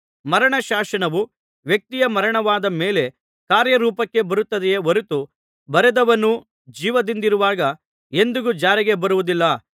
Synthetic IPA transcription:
mɐɾɐɳɐʃaːʃɐɳɐʋu | ʋjɐk̚t̪ijɐmɐɾɐɳɐʋaːd̪ɐmeːle̞ | kaːɾjɐɾuːpɐkːe̞bɐɾut̪ːɐd̪ɛjeʋɐɾut̪u | bɐɾɛd̪ɐʋɐnu | d͡ʒiːʋɐd̪ind̪iɾuʋaːɡɐ | e̞nd̪uɡud͡ʒaːɾiɡe̞bɐɾuʋud̪ilːɐ

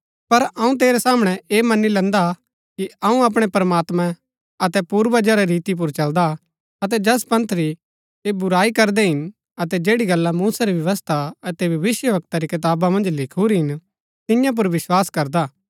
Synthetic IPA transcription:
pɐɾɐũt̪̬eːɾɛsaːməɽ̃ɛeːmɐnilɛ̃nd̪a | kiɐũɐp̬ɽ̃epɐɾɐmaːt̪mã | ɐt̪ɛpuːɾʋɐd͡ʒaɾaɾiːt̪ip̬ʊɾt͡ʃɐld̪a | ɐt̪ɛd͡ʒɐspɐ̃nt̪ʰɾi | ebʊɾaːikɐɾd̪ɛɦɪn | ɐt̪ɛd͡ʒeːɽiɡɐlːamuːsaɾiʋjɐʋəst̪ʰaɐt̪ɛbɐʋɪsjəʋɐk̚t̪aɾikɪt̪̬aːbamɐ̃nd͡ʒlɪkʰuɾɦɪn | t̪ɪ̃jãp̬ʊɾʋɪswaːskɐɾd̪aː

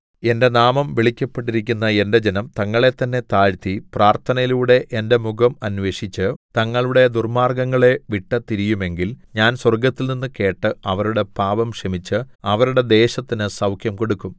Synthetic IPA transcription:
e̞nde̞naːmɐmʋiɭikʲːɐpːeʈːiɾikʲːunːɐe̞nde̞d͡ʑenɐmt̪ɐŋːɐɭe̞t̪ːɐnːe̞t̪aːɻt̪ipraːrt̪ʰɐnɐjiluːɽe̞ʔende̞muɡɐmɐnʋe̞ːɕit͡ɕːɨt̪ɐŋːɐɭuɽe̞d̪urmaːrɡɐŋːɐɭe̞ʋiʈːɐt̪iɾijume̞ŋɡilɲaːnswɐrɡɐt̪ːilninːɨke̞ːʈːɨɐʋɐɾuɽe̞paːʋɐmʂɐmit͡ɕːɨ | ɐʋɐɾuɽe̞d̪e̞ːɕɐt̪ːinɨsɐwkʰjɐmkoɽukːum

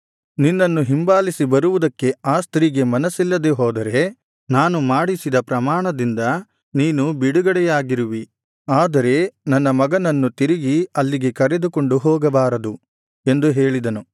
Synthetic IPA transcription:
ninːɐnːuɦimbaːlisibɐɾuʋud̪ɐkːe̞aːst̪ɾiːɡe̞mɐnɐsilːɐd̪e̞ɦoːd̪ɐɾe̞ | naːnumaːɽisid̪ɐpɾɐmaːɳɐd̪ind̪ɐ | niːnubiɽuɡɐɽɛjaːɡiɾiʋi | aːd̪ɐɾe̞nɐnːɐmɐɡɐnɐnːut̪iɾiɡiɐlːiɡe̞kɐɾe̞d̪uko̞ɳɖuɦɔːɡɐbaːɾɐd̪u | e̞nd̪uɦe̞ːɭid̪ɐnu

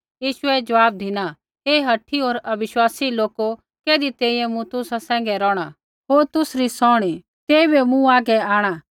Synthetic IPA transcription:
jiːʃʊɛd͡ʒɐʋaːb̚d̪ʱɪna | eːɦɐʈʰːioːɾɐbɪʃwaːsiloːko | keːd̪it̪eːiɛ̃mũt̪ʊsasɛ̃ːŋɡɛɾɔːɽ̃a | ɦoːɾt̪ʊsɾisɔːɽ̃i | t̪eːibemũaːɡɛaːɽ̃a

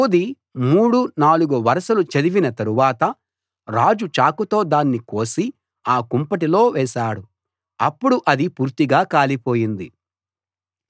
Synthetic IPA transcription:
od̪i | muːɽunaːluɡuʋɐɾɐʃɐlut͡ʃɐd̪iʋinɐt̪ɐɾuʋaːt̪ɐ | ɾaːd͡ʒut͡ʃaːkut̪o̞ːd̪aːnːiko̞ːsi | aːkumpɐʈilo̞ːʋɛːʃaːɽu | ɐ̰pːuɽuʔɐd̪ipuːɾt̪iɡaːkaːlipo̞ːjind̪i

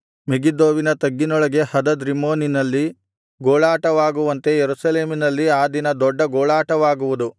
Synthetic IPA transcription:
miɡid̪oːʋinɐt̪ɐɡːinɔɭɐɡe̞hɐd̪ɐd̪ɾimoːninɐlːi | ɡoːɭaːʈɐʋaːɡuʋɐnt̪e̞jeɾusɐle̞ːminɐlːiaːd̪inɐd̪ɔɖːɐɡɔːɭaːʈɐʋaːɡuʋud̪u

